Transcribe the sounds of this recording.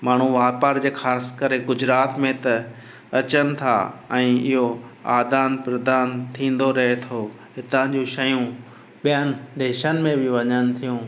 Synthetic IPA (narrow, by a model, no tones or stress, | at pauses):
maːɳ̤ũʋaːpaːɾd͡ʑeːxaːskɐɾeɡʊd͡ʑɾaːt̪mẽt̪ɐ | ɐt͡ɕənɪ̆t̪ʰa̰ɛ̃ːɪɦoa̰ːd̪aːnpɾɐd̪aːnt̪ʰĩːn̆d̪oɾɐɦet̪ʰo | ɦɪt̪ãd͡ʑuːʃɐjũ | ɓijənɪ̆d̪eːʃənɪ̆mẽbɪʋɐɲənɪ̆t̪ʰijũː